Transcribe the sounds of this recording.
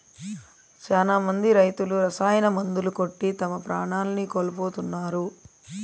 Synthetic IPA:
t͡ʃaːlaːmɐnd̪iɾɐjt̪uluɾɐsaːjɐnɐmɐnd̪uluko̞ʈːit̪ɐmɐpɾaːɳaːlɐnikoːlɐpoːt̪unːaːɾu

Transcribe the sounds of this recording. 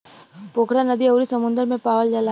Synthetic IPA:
poːkɾanɐd̪iɐwɾisɐmʊ̃nd̪əɾmẽpaːʋəld͡ʒɐla

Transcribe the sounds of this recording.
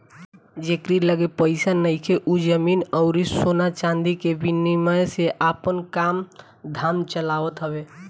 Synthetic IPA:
d͡ʒekɾiləɡepəɪsanəjkʰeʔud͡ʒəminəʊɾisonat͡ʃãnd̪ikebiniməjseʔapənkam | d̪ʱamt͡ʃəlabət̪ɦəbe

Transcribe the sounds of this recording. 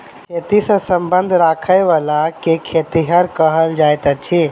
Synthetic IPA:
kʰet̪isə̃səmbənd̪ʱɾakʰəjʋalakekʰet̪iɦəɾkəɦəld͡ʒajt̪ət͡ʃʰi

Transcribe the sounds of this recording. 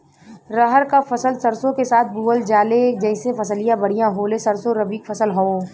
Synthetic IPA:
ɾɐɦəɾkafɐsəlsɐɾsõkesaːt̪ʰbuːəld͡ʒaːled͡ʒɛːɪsefɐsəlijãbɐɽ̤ijãɦoːlesɐɾsõɾɐbiːkfʰɐsəlɦoː

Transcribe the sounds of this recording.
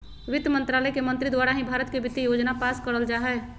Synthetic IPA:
ʋɪd̪jəmə̃nt̪ɾaːləjkemə̃nt̪ɾid̪waːɾaɦĩbʱaːɾət̪kebɪt̪ijoːd͡ʒnapaːskəɾəld͡ʒaːɦɛ

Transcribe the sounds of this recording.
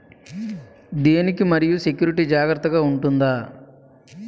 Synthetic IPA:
d̪eːnikimɐɾijuse̞kjuːɾiʈiːd͡ʒaːɡɾɐt̪ːɐɡaːuɳʈund̪aː

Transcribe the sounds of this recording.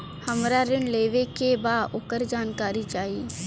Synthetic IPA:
həmɾaːɾɪnleːʋekebaːʊkəɾd͡ʒaːnkaːɾit͡ʃaːiː

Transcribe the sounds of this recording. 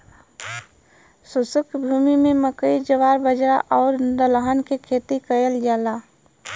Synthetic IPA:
sʊsʊkbʱuːmimẽməkəid͡ʒəʋaːɾbəd͡ʒɾaʔɔːɾd̪əlɦənkekʰeːt̪ikəjəld͡ʒaːlaː

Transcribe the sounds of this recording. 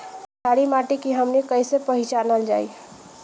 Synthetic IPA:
d͡ʒʰaɽimaʈekiɦəmnikəjsepəɦit͡ʃanəld͡ʒaḭ

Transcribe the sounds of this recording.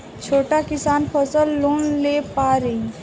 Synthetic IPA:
t͡ʃʰoːʈakɪsaːnpʰəsəlːoːnleːpaːɾeː

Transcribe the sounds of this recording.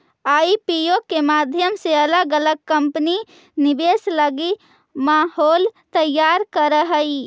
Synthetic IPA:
aipijokːemad̪ʱjəmseələɡələɡ̚kəmpəni | nibesləɡi | maɦolt̪əjːaɾkəɾəɦəi

